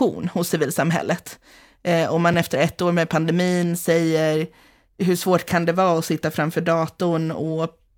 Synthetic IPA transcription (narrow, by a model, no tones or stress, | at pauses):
ṵːnhʊsːɪviːlsamɦɛ̰lːət̪ | ɔmːanɛft̪əɾɛt̪ːoːɾmɛd̪̚pʰand̪ɛmiːnsɛjːəɾ | ɦɵʂvoːʈkʰand̪ɛvɑːɔsɪt̪ːafɾamfœːɖɑːt̪ʊnɔ